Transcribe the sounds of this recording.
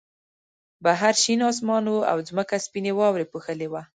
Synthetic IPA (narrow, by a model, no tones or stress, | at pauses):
baɦaɾʃinɑs̬mɑnwua̰wzməkaspinewɑwɾepuxəlewa